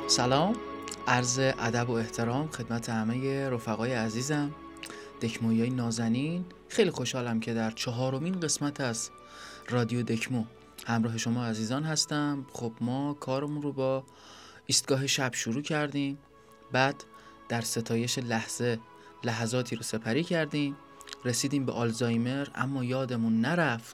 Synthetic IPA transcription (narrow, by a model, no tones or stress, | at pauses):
sælɒːmʔæɾze̞ʔæd̪æbo̞e̞ht̪ʰe̞ɾɒːmxe̞d̪mæt̪ʰehæmeje̞ɾo̞fæɣɒːjeæziːzæm | d̪̥e̞cʰmojɒːjenɒːzæniːn | xe̞jlixo̞ʃhɒːlæmcʰe̞d̪æɾt͡ʃʰɒɦɒːɾo̞miːnɢe̞smæt̪ʰæz | rɒːd̪ijod̪e̞cʰmo | hæmɾɒːɦe̞ʃo̞mɒːæziːzɒːnhæst̪æmxob̥mɒːkʰɒːɾemunrobɒː | iːst̪̚ɡ̥ɒːɦe̞ʃæb̥ʃoɾuːcʰæɾd̪im | bæːd̪̥ː | æɾse̞t̪ʰɒːje̞ʃe̞læhz̥e̞ | læɦæzɒːt̪ʰiːɾose̞pʰæɾiːcʰæɾd̪iːm | ɾe̞siːd̪iːmbeʔɒlzɒːjme̞ɾæ̰mːɒːjɒːd̪e̞munːæɾæft̪